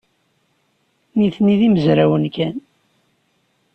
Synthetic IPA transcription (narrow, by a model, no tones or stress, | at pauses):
niθniðiməzɾæwənkæn